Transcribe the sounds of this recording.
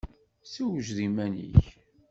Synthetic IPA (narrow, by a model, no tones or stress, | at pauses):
siwəʒðimænḭç